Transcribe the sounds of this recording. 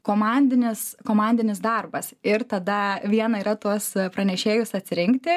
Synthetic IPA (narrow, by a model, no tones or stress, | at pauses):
koːmɐnʲd̪ʲɪnʲɪskoːmɐnʲd̪ʲɪnʲɪsd̪ɐrbɐsɪrt̪ɐd̪ɐʋʲiɛnɐiɾɐt̪uɔspɾɐnʲɛʃʲeːjʊsɐt̪ʲsʲɪɾʲɪŋkt̪ʲɪ